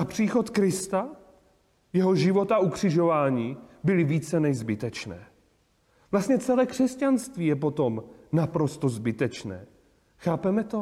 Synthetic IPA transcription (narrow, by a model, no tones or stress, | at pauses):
apr̝̥iːxo̞t̪kɾɪst̪a | jɛɦo̞ʒɪvo̞t̪aʔukr̥ɪʒo̞vaːɲiːbɪlɪviːt͡sɛnɛʒzbɪt̪ɛt͡ʃnɛ̰ː | vlast̪ɲɛt͡sɛlɛːkr̥ɛscanst̪viːjɛp̬o̞t̪o̞mnapɾo̞st̪ozbɪt̪ɛt͡ʃnɛ̰ː | xaːpɛmɛt̪o̞